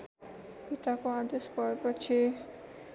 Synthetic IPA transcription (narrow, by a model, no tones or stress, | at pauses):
pit̪akoad̪esbʱʌepʌt͡sʰi